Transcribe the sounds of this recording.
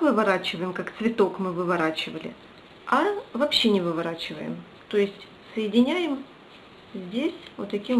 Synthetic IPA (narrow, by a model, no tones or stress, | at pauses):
vɨvɐɾat͡ɕɪvəjɪmkakt̪svʲɪt̪o̞kmɨvɨvɐɾat͡ɕɪvəlʲɪ̰ | ɐvɐpɕːe̞nʲɪvɨvɐɾat͡ɕɪvə̰jɪ̰m | t̪o̞jɪsʲtʲ | səjɪdʲɪnʲæjɪm | zʲdʲesʲot̪ɐkʲim